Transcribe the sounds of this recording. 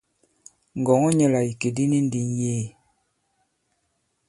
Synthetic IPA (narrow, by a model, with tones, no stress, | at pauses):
ŋ̩˨ɡɔ˨ŋɔ˦ɲə˦la˨i˨ke˨di˦ni˦n˦di˨njeː˦˨